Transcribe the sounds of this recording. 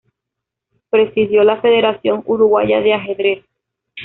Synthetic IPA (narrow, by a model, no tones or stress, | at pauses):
pɾe̞siðjo̞lafe̞ð̞e̞ɾaθjo̞ŋuɾuɣwaʝa̰ðeaɦe̞ðɾes